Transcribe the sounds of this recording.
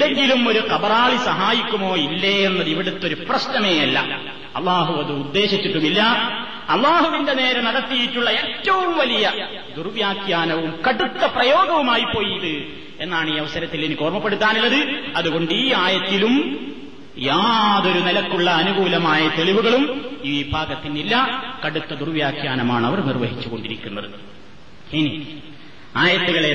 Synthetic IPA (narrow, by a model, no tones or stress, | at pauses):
ðeŋɡilumo̞ɾukɐbɐraːɭisɐɦaːjikʲːumo̞ːilːeenːɐðiʋiɽet̪ːo̞ɾuprɐɕnɐme̞ːɐlːɐ̰ | ɐ̰lːaːɦuɐðɨːd̪ːe̞ːɕit͡ɕːiʈːumilːɐ | ɐlˠːaːhuʋinde̞ne̞ːɾɐnɐɽɐt̪ːijitːuɭːɐe̞ːtːɐʋumʋɐlijɐ | d̪urʋjaːkjaːnɐʋumkɐɽut̪ːɐprɐjo̞ːɡɐʋumaːjipːo̞ːjiðɨ | e̞nːaːɳiːɐʋɐsɐɾɐt̪ːilenːiko̞ːrmɐpːe̞ɽut̪ːaːnilːɐðɨɐðuɣo̞ɳɖiːaːjɐt̪ːilum | jaːðo̞ɾunilɐkːuɭːɐːnuɡuːlɐmaːjɐt̪e̞ɭiʋuɣɐɭumiʋiːbʱaːɡɐt̪ːinːilːɐkɐɽut̪ːɐd̪urʋjaːkjaːnɐmaːɳɐʋɐrnirʋɐɦit͡ɕːuɣo̞ɳɖiɾikʲːunːɐðɨ | ini | aːjɐt̪ːuɣɐɭe̞